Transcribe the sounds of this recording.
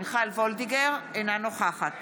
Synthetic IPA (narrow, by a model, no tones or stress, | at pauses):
nχalvold̪iɡeʁenanoχaχat̪